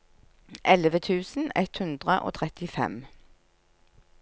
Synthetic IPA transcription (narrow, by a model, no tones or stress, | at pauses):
ʔɛlʋət̪ʰʉːsn̩ɛt̪hʉnd̪ʁəʔo̰ːt̪ʰʁɛt̪ɪfɛ̰m